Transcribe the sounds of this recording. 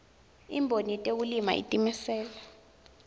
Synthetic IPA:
ḭmbʱonitʼeulima̰ʔḭtʼimɛsɛːla

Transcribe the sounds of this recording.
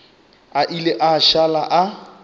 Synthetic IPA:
aʔileʔaʃalaʔa

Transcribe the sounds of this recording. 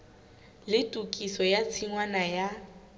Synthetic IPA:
lɪtʼukʼisɔjat͡sʰiŋwanaja

